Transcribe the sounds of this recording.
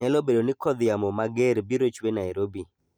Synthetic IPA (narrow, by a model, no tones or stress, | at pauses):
ɛlobedonɪkɔd̪jamɔmaɡeɾbiɾot͡ʃwenajɾobi